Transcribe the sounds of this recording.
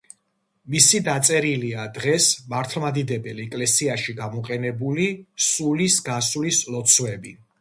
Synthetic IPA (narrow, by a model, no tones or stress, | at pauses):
misid̪at̪sʼɛɾiliad̪ʁɛsmaɾt̪ʰlˠmad̪id̪ɛbɛlɛkʼlɛsiaʃiɡamɔqʼɛnɛbulisulisɡasulislɔt̪sʰwɛbi